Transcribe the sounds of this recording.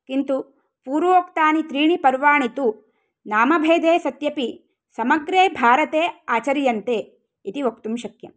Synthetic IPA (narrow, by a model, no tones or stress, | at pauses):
kint̪u | puːɾʋoːkt̪aːnit̪ɾiːɳipɐɾʋaːɳit̪u | naːmɐbʱeːd̪eːsɐt̪jɐpi | sɐmɐɡɾeːbʱaːɾɐt̪eːaːt͡ʃɐɾjɐnt̪eː | it̪iʋok̚t̪umʃɐkjɐ̰m